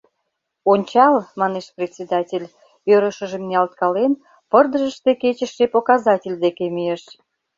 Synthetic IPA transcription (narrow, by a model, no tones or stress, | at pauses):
onʲt͡ɕɑlmɑneʃprʲet̪ʲsʲed̪ɑtʲelʲ | øɾəʃəʒemneɑlt̪̚kɑlen | pərd̪əʒəʃt̪eket͡ɕəʃːepokɑzɑtʲelʲd̪ekemyjeʃ